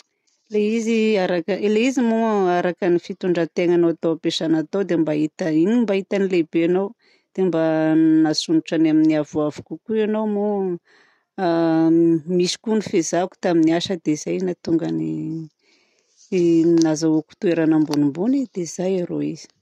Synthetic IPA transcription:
leiziaɾakəleizimuaɾakənifit̪uɳɖ͡ʐət̪eŋanoat̪owapeʃanat̪owd̪embait̪əinimbaɦit̪anilebeanow | d̪̥embanasunuʈ͡ʂanaminiavuavukukuanowmu | misi̥kunifezaku̥t̪aminiaʃəd̪ez̥ajnat̪uŋɡəni | nazaoku̥t̪ueɾanambunumbunid̪̥ezajaɾoiz̥i̥

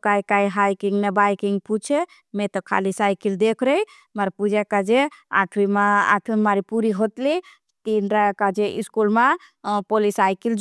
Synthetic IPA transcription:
kajkajɦajkiŋɡnɛbajkiŋɡput͡ʃʰe | met̪ɔkʰa̰lisajkild̪ekʰɾɛj | maɾpud͡ʒakad͡ʒea̰ʈʰɾimaa̰ʈ̪ʰimmaɾipuɾiɦot̪li | t̪inɾakad͡ʒeʔiskulme | polisajkil

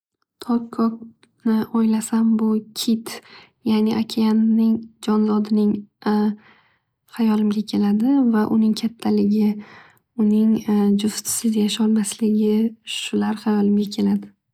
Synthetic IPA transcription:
t̪ʰɒkʰːɒk̚ | nɪɔjlasambʊkʲʰɪt̪ʰ | janɪʔakʲʰeanːɪŋd͡ʒɒnzɒd̪ɪnɪŋ | hajɒlɪmɡʲakʲʰe̞lad̪ɪvaʔʊnɪŋkʲʰat̪ʰːalɪɡʲɪ | ʊnɪŋd͡ʒʊst̪ʰsɪzjaʃɒlˠmaslɪɡʲɪʃʊlaɾhajɒlɪmɡʲakʲʰe̞lad̪ɪ

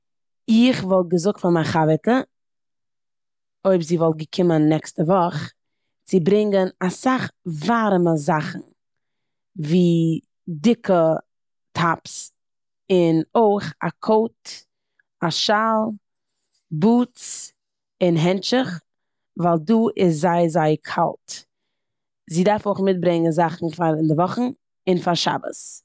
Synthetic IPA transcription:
ɪχvɔlˠɡəzʊk̚tfamaχavɛtə | oɪbziːvɔlˠɡəkʰɪmənːɛkstəvɔχ | t͡sɪbɾɪŋɡənasaχvaɾməzaχn̩ | viː | dɪkʰə | tʰaps | ɪnoɪχa̰kʰoʊt | aʃalˠ | buːt͡s | ɪnɦɛnt͡ʃɪχ | vaːlˠduːʔɪs̬zaɪzaɪkʰa̰lˠt | ziːdaɾfoɪχmɪt̚bɾɪŋənzaχn̩faɾɪndɪvɔχn̩ | ɪnfaɾʃa̰bə̰s

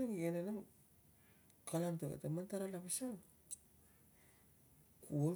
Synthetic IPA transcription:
aŋenanam | kʰalantoa̰tamantaɾalapasan | kuo

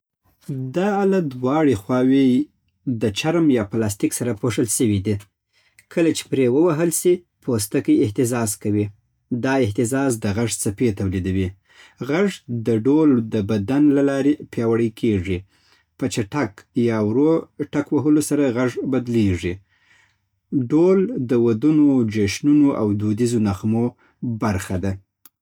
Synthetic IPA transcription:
d̪ɑlad̪wɑɽexwɑwe | d̪ət͡ʃaɾmjɑplɑs̬t̪ɪksaɾapoʂəlʃəwid̪i | kʰəlat͡ʃe̥pɾewəwaɦəlsi | pʰost̪əkəjeɪht̪ɪzɑzkawi | d̪ɑɪht̪ɪzɑzd̪əɣaʐt͡sapet̪awlid̪awi | ɣaʐd̪əɖold̪əbad̪anlalɑɾepjɑwaɽəkʰeʐi | pət͡ʃaʈakjɑwɾoʈakwaɦəlosaɾaɣaʐbad̪leʐi | ɖold̪əwad̪unod͡ʒaʃnunoʔa̰wd̪od̪izonaxmo | baɾxad̪a

